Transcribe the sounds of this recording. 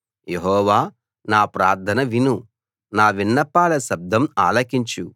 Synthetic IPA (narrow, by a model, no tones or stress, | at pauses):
jeɦɔːʋaː | naːpɾaːɾd̪ʰʱɐnɐʋinu | naːʋinːɐpːaːlɐʃɐb̚d̪ʱɐma̰ːlɐkiɲt͡ʃu